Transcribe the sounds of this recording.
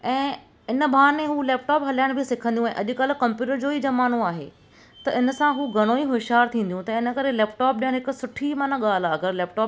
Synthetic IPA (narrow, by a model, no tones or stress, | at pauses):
ɛ̃ː | ɪnə̆bʱaːɾmẽɦulɛːp̚ʈaːpɦɐljaːɪɽ̃bʱɪsɪkʰə̃nd̪jũɛ̃ːʔɐʄʊ̆kɐlɪ̆kɐ̃mpjuːʈəɾd͡ʑoːid͡ʑɐmaːn̤oaːɦḛː | t̪ɐɪnə̆sãɦuɡʱɐɽ̃õiɦʊʃaːɾt̪ʰĩːnd̪ijũt̪ɐɪnə̆kɐɾelɛːpʈɔːp̚ɗiə̃ɦɪkʊ̆sʊʈʰimɐnaɠaːl̤aɐɡəɾlɛːp̚ʈaːp